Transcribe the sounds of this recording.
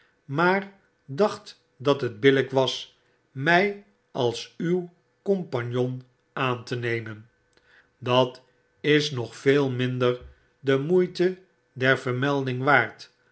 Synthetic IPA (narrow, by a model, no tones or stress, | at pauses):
maːɹ | dɑχt | dɑtɦəd̚bɪləkʋɑs | mɛj | ʔɑlˠsyw | kompanjon | aːntənejmən | dɑt | ɪsnɔχfeːlˠmɪndər | dəmujtə | dɛɹv̥əɹmɛlˠdɪŋʋaːɹt